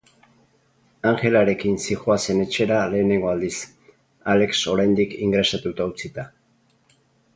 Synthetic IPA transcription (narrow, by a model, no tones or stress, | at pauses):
aŋxe̞laɾe̞kinsixoase̞ne̞t͡ʃe̞ɾale̞ːne̞ŋɡo̞ald̪is | ale̞kso̞ɾajnd̪ikiŋɡɾe̞sat̪ut̪aut͡sit̪a